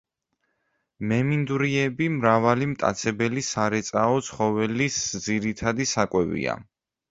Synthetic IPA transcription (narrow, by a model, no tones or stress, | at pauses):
mɛmind̪uɾiɛbimɾavalimt̪ʼa̰t̪sʰɛbɛlisaɾɛt̪sʼaɔt̪sʰχɔvɛlisd̪ziɾit̪ʰad̪isakʼwɛvḭa̰